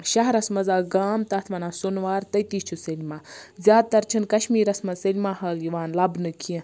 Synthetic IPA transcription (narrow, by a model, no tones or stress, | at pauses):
ʃɐɦɐɾɐsmɐzaːɡaːmt̪ɐt̪ʰʋɐnaːsunʋaːɾt̪ɐjt̪iːt͡ʃʰusɐlʲmaːzʲjaːd̪̚t̪ɐɾt͡ʃʰɐnkɐʃmiːɾɐsmɐzsɐlʲmaːɦɐljiʋaːnlɐbnɨkʰiẽ